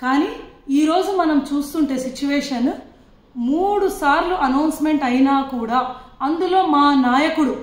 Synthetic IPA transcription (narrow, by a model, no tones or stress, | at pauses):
kaːniiːɾo̞ːd͡ʒumɐnɐmt͡ʃuːst̪uɳʈe̞ːsit͡ʃuʋɛːʂɐn | muːɽusaːɾluʔɐnɐwnsme̞ɳʈɐjinaːkuːɽaːɐnd̪ulo̞ːmaːnaːjɐkuɽu